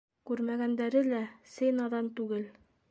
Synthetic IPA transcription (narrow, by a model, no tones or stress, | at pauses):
kʉɾmæɡænd̪æɾɘlæsɘjnɑðɑnt̪ʉɡɘl